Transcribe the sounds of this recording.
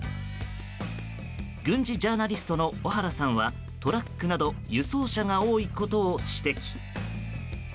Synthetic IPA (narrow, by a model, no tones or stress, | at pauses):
ɡɯ̟̃ɲ̟d͡ʑiʑaːnaɾʲisɨ̥t̪o̞no̞oɦaɾasãɰ̃βa | t̪o̞ɾakːɯ̟nad̪o̞jɯ̟so̞ːɕaŋao̞ːiko̞t̪o̞ːɕi̥t̪e̞kʲi̥